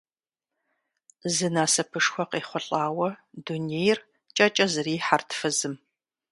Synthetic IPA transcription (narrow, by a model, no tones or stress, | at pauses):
zɨnaːsɐpʰɨʂxʷɔqeːχʷʊɬʼaːwɐdunejr | t͡ʃʼɐt͡ʃʼɐzɨriːħartʰfɨzɨm